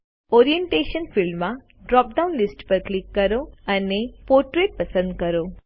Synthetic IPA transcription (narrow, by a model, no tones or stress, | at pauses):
oɾijeɳʈeʃənfɪlmːã | ɖɾɔp̚ɖaunlɪsʈpəɾklɪkːəɾoənepoɾʈɾeʈ̚pəsə̃nd̪̚kəɾo